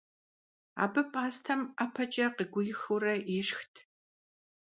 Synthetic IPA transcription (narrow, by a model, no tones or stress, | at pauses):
a̰ːbɨpʼaːstʰɐmapʰɐt͡ʃʼɐqəɡʷʊjɪxuɾɐɪʂxtʰ